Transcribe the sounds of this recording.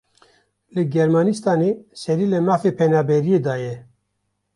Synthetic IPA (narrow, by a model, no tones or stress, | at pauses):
lɨɡɛɾmɑːnist̪ɑːnesɛɾiːlɛmɑːfepʰɛnɑːbɛɾijeːd̪ɑːjɛ